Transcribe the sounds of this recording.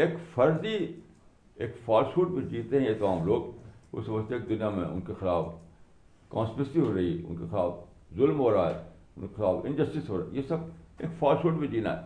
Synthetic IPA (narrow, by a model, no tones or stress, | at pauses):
eːkfɐɾzi | ḛːkfaːlsuːʈ̚bid͡ʒiːt̪eɦɛ̃et̪mãːmloːɡʊ̰sbəst̪eːk̚d̪ʊnijamḛ̃ʊ̰nkexɪlaːf | kãːnspesiɦoːɾɐɦiʊ̰nkexɪlaːf | zʊlmɦoːɾaɛː | ʊnkexɪlaːfɪ̃nd͡ʒəsʈɪsɦoːɾa̰jesɐbeːkfaːlsuːʈbid͡ʒiːna̰ɦɛ̰ː